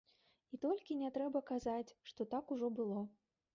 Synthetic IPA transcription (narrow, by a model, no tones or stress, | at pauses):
it̪ɔlʲkʲinʲɛt̪ɾɛbɐkazat͡sʲʂt̪ɔt̪akuʐɔbɨlˠɔ